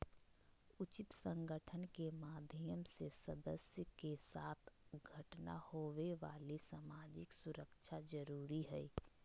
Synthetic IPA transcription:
ʊt͡ʃɪt̪sə̃ŋɡəʈʰənkemaːd̪ʱjəmsesəd̪əsjəkesaːt̪ʰɡʱəʈna̰hoʋeʋaːlisaːmaːd͡ʒɪksʊɾəkt͡ʃʰad͡ʒəɾuːɾiɦɛi

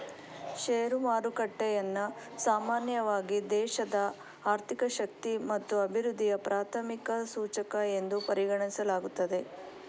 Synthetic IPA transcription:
ʃeːɾumaːɾukɐʈːɛjɐnːu | saːmaːnjɐʋaːɡid̪ɛːʃɐd̪ɐ | aːɾt̪ʰikɐʃɐk̚t̪imɐt̪ːuɐbʱiɾud̪ʱːijɐpɾʔaːt̪ʰɐmikɐsuːt͡ʃɐkɐe̞nd̪upɐɾiɡɐɳisɐlaːɡut̪ːɐd̪e̞

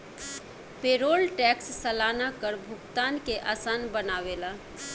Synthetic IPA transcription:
peːɾoːlʈɛːksːəlaːnakəɾbʱʊɡt̪aːnkeʔaːsaːnbənaːʋeːlaː

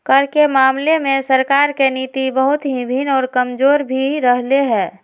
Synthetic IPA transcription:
kəɾkemaːmlemẽsəɾkaːɾkeniːt̪ibəɦʊt̪ɦibʱinɔːɾkəmd͡ʒoːɾbʱiɾəɦleɦɛː

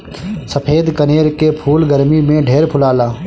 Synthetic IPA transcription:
səpʰeːd̪kəneːɾkepʰuːlɡəɾmimẽɖʱeːɾpʰʊlaːlaː

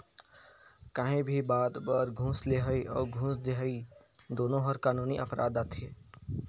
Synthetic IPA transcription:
kaɦẽbʱibaːd̪bəɾɡʱũːsleɦəiʔɔ̰ːɾɡʱũːsd̪eɦi | d̪oːnõɦɐɾkaːnuːniʔɐpɾa̰ːd̪aːt̪ʰeː

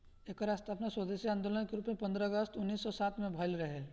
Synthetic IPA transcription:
eːkaɾaːst̪aɐpnaswəd̪eʃiãːnd̪oːlənkeɾuːpmẽpɐ̃nd̪ɾəːɡəst̪ʊnːiːsːɔsaːt̪mẽbʱɐlɾɐɦe

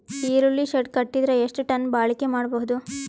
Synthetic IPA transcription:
iːɾulːiʃɐʈkɐʈːid̪ɾɐeʂʈuʈɐnbaːɭikemaːɽbɐɦud̪u

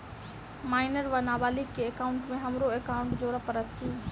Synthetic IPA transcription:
maːɪnəɾʋɐnaːbaːlikkeekaːʊɳʈmẽɦɐmɾoekaːʊ̃ɳʈd͡ʑoːɾəpɐɾət̪tʰːiː

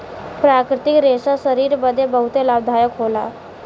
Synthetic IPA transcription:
pɾakɾɪt̪ikɾesasəɾiːɾbəd̪ʱebəɦut̪elaʋd̪ʱajəkɦola̰

